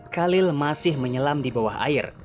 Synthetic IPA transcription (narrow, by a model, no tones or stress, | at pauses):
kalɪlmasɪhməɲəlamdibawaɦa̰ɪr